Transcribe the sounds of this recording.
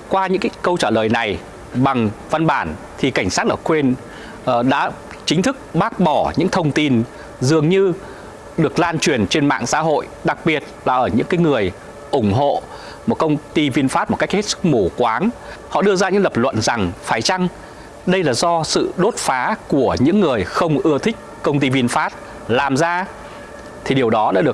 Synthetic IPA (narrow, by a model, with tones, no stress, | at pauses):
kwaː˧ɲɨ̰˧˥ŋkaː˦jkə˧wt͡ɕaː˧˩ləː˨˩jna˨˩j | ɓa˨˩ŋva˧nɓaː˧˩n | t̪ʰi˨˩ka˧˩jŋ̟saː˦˥t̚ʔəː˧˩kwe˧n˨˩ | ɗa̰ː˧˥ | t͡ɕï˨˦ŋ̟t̪ʰɨ˦˥k̚ɓaː˦˥k̚ɓɔ˧˩ɲɨ̰˧˥ŋt̪ʰə˧wŋ͡mt̪i˧n | zɨ˨˩əŋɲɨ˧ | ɗɨ˨˩ək̚laː˧nt͡ɕwi˨˩ənt͡ɕe˧nma̰ː˧˨ŋsa̰ː˧˥ɦo̰˧˨j | ɗa˨˩k̚ɓi˨˩ət̚laː˨˩ʔəː˧˩ɲɨ̰˧˥ŋkaː˨˦jŋɨ˨˩əj | ʔʊ˧˩ŋ͡mɦo̰˧˨ | mo˨˩t̚kə˧wŋ͡mt̪i˧vi˧nfaː˦˥t̚mo˨˩tka˦˥k̚he˦˥t̚sɨ̥˦˥k̚mo˧˩kwaː˨˦n | hɔ̰˧˨ɗɨ˧əzaː˧ɲɨ̰˧˥ŋlə˨˩p̚lwə̰˧˨nza˨˩ŋfaː˨˦jt͡ɕa˧ŋ | ɗə˧jlaː˨˩zɔ˧sɨ̰˧˨ɗo˦˥t̚faː˨˦ku˧˩əɲɨ̰˧˥ŋːɨ˨˩əjxə˧wŋ͡mʔɨ˧ət̪ʰï˦˥k̟̚kə˧wŋ͡mt̪i˧vi˧nfaː˦˥t̚ | laː˨˩mzaː˧ | t̪ʰi˨˩ɗi˨˩əwɗɔ˨˦ɗa̰ː˧˥ɗɨ˨˩ək̚